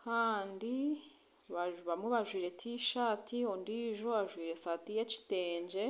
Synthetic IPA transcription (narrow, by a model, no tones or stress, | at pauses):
kaːndi | βaβamweβaʒwiːɾe̞tʰiʃaːtʰiondiːʒo̞βaʒwiːɾe̞saːtijeci̥teːɲɟe̞